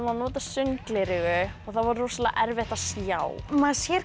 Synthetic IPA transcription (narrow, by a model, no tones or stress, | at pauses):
manɔːt̪asʏŋklɪɾɪɣʏɔɣθavɔɾrɔsala̰ʔɛɾvɛht̪asjaːwmaðsjɛɾ